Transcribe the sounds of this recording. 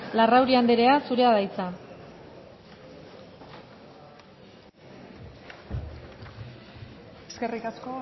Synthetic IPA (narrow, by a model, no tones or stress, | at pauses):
larawɾiand̪eɾe̞asuɾe̞aðajt͡sa | eskerikasko